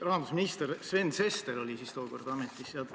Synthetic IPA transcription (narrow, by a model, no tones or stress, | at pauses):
rɑɦɑd̪̥usminist̪ersve̞nd̪̥se̞st̪eɾo̞lʲisist̪o̞ːko̞rd̪̥ɑmːet̪ːˑisːeɑlt̪